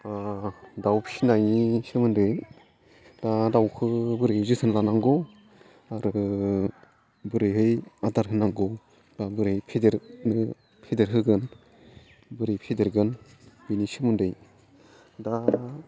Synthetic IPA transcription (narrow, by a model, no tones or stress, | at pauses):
adawpʰsinajnisɯmɯndɯj | d̥adawkʰɯbɯɾɯjzɯsʰɯnlanaŋɡɔ | aɾɯ | bɯɾɯjɦɯjadaɾɦɯnaŋɡɔ | d̥abɯɾɯjpʰedeɾnɯ | pʰedeɾɦɯɡɯn | bɯɾɯjpʰedeɾɡɯn | binisimɯndɯj | da